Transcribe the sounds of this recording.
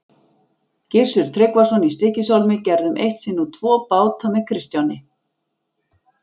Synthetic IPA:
cɪr̥sʏɾ̥t̪ʰɾɪkvasɔnːist̪ɪhcɪsawlmɪcɛɾðʏmʔejht̪sɪnːut̪ʰvɔːpaːwt̪ʰamɛkʰɾɪst̪jawnɪ

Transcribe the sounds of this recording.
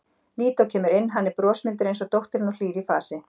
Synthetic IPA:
liːt̪aɔcʰɛːmʏɾɪnːɦanːɛɾpɾɔːsmɪlt̪ʏɾejnsɔt̪owht̪ɪɾɪnɔliːɾifaːsɪ

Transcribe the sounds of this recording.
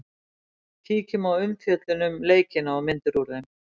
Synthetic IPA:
t̪ʰiːcʏmawʏmθjœt̪lʏnʏmleːjcɪnaɔmɪnt̪ʏɾuɾðɪn

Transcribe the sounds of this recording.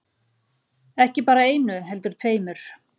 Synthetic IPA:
ɛhcɪpaːɾaeːjnʏɦɛlt̪ʏɾ̥t̪ʰveːjmʏɾ̥

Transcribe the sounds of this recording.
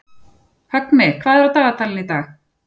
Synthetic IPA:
hœt̪nmɪkʰv̥aːðɛɾawt̪aːɣat̪ʰalɪnit̪aːx

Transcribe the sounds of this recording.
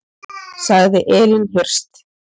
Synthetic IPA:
saɣðɪʔɛːlɪnɦɪr̥st̪

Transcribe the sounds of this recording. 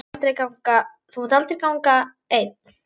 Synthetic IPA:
t̪ɪɾekawŋka | θumt̪alt̪ɪɾkawŋka | ejt̪̚

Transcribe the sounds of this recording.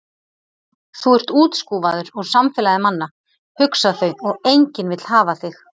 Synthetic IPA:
θuɛr̥t̪uːt̪skuːvaðʏɾɔɣsamfɛlajðɪmanːa | hʏksaθœɥɔɣejɲcɪnvɪt̪l̥haːvaθɪx

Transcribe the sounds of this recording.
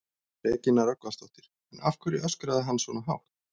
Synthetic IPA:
rɛːcɪnːaɾœkvast̪ɔht̪ɪɾ̥ | ɛna̰fkʰʏɾɪœskɾaðɪɦanːsvɔːnaɦa̰ːw

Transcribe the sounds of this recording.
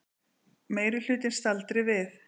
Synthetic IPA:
meːjɾʏl̥ʏːt̪ɪnst̪alt̪ɾɪvɪθ

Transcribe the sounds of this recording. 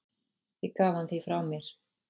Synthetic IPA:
jɛkaːvhanθifɾawmjɛɾ̥

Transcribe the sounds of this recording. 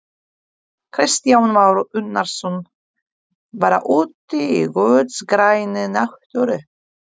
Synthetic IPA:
kʰɾɪst̪jawnmawɾʏt̪naɾsɔn | vaɾa̰ʔuːt̪ɪiɣœːt̪sɡɾaːjnɪnaht̪œɾʏ

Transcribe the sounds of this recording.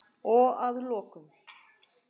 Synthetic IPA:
ɔaðlɔːkʏm

